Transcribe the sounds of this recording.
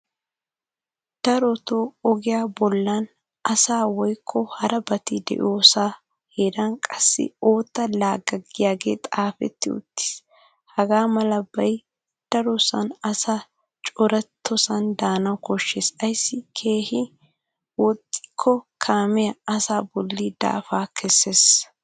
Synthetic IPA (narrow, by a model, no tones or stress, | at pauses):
d̪̥ɐɾɔt̪oːɔɡɪjaːbɔlːan | ɐsaːwɔjkʰːɔhɐɾɐbɐt̪ɪd̪ɛ̰ʔoːsaː | heːɾankʼɐsːɪ̰o̞ːt̪ːɐlaːɡɐɡɪjaːɡe̞̰ːt̪ʼaːfɛ̰t̪ːɪʊ̰t̪ːɪ̥s | hɐɡaːmɐlɐbɐj | d̪̥ɐɾɔsɐ̰nɐsa | t͡ʃʼɔɾɐt̪ʰːɔsɐnd̪aːnɐwkɔʃːeːsɐjsːɪkʰe̞ːhɪ | wɔt̪ʼːɪ̥kʰːɔkʰaːmɪjɐɐsaːbɔlːiːd̪̥a̰ːfaːkʰɛsːeːs